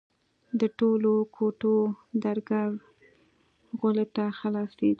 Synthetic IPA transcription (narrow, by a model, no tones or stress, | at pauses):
d̪əʈolokʰoʈod̪aɾɡaɾ | ɣʊlet̪axalɑsed̪